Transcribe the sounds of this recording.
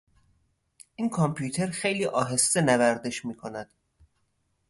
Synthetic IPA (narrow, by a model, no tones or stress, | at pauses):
ʔiːnkʰompʰjuːt̪ʰeɾxejliːʔɒːɦe̞st̪enævæɾd̪e̞ʃmiːkʰonæd̪̥